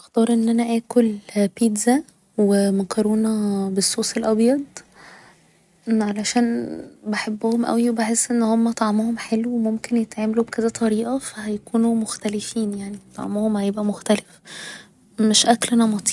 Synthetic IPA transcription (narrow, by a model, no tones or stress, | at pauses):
ʔext̪ɑːɾˤʔenːʔænæʔæːkolpiːd̪zæ | wemækɑɾoːnɑbesːuːselʔɑbjɑd̪̚ˤ | ʕalæʃæːnbeħebːohomʔæ̰wiebeħesːʔenːhomːæt̪ˤɑʕmohomħelwwemomkenjet̪ʕaːmælubked̪æt̪ˤɑɾiːʔɑfæhæjækuːnumoxt̪ælefiːnjaʕnit̪ˤɑ̰ʕmohomhæjebʔæmoxt̪ælef | meʃʔæklʔænɑmɑt̪ˤi̥ː